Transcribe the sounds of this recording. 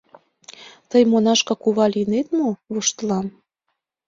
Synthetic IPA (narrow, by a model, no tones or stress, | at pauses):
t̪əjmonɑʃkɑkuβɑlinet̪moβoʃt̪lɑn